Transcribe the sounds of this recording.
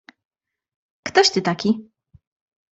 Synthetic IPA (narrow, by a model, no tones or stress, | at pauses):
kt̪ɔɕt̪ɘt̪akʲi